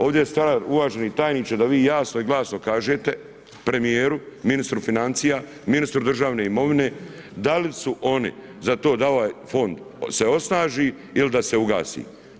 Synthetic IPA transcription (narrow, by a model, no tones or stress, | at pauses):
o̞ːʋd̪ʲjest̪aɾauʋaːʒenit̪aːjniːt͡ʃad̪aʋiːjaːsnoiɡlˠaːsno̞kaːʒeːt̪e̞ | pɾe̞mijeːɾuminist̪ɾufinant̪siːja | minist̪ɾud̪r̩ʒaːʋne̞ːimo̞ʋine̞ː | d̪alisuʔo̞nḭ | zat̪o̞ːd̪ao̞ʋaːjfo̞nd̪ | se̞o̞snaːʒiː | ilid̪ase̞uɡa̰ːsḭː